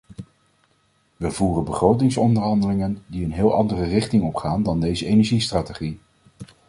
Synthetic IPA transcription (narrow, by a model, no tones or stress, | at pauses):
ʋəvuːrənbəχrowtɪŋsɔndəɹɦɑndəlɪŋəndiənɦɪːlˠʔɑndərərɪχtɪŋɔpχaːndɑndejzəejnɛɹʒistraːteχi